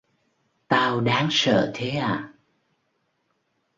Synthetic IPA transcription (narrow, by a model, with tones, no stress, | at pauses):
t̪aː˧wɗaː˨˦ŋsə̰ː˧˨t̪ʰe˨˦ʔaː˧˩˨